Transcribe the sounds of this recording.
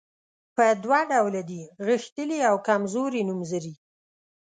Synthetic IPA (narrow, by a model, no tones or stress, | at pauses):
pəd̪wɑɖawlad̪iɣixt̪əliawkamzoɾinumzəɾi